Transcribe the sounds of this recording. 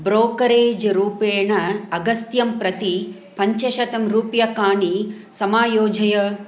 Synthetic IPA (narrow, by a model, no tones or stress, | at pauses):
bɾoːkɐɾeːd͡ʒɾuːpeːɳɐɐɡɐst̪jɐmpɾɐt̪i | pɐɲt͡ʃɐʃɐt̪ɐmɾuːpjɐkaːɳi | sɐmaːjoːd͡ʒɐjɐ